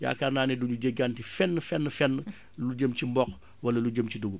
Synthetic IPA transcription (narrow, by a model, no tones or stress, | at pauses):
ja̰ːkarnaːnɛduɲuɟeɡantifɛnːəfɛnːəfɛnːə | luɟəmcimbɔk | wɐlɐluɟəmciduɡu